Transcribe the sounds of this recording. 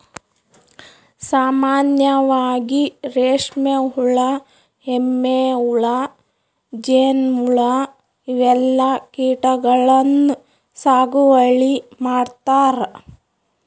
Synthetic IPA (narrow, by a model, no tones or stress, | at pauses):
saːmaːnjɐʋaːɡiɾeːʂmeɦuɭɐ | emːeuɭɐ | d͡ʒeːnmuɭɐ | iʋɛlːɐkiːʈɐɡɐɭɐnːu | saːɡuʋɐɭimaːɽt̪aːɾ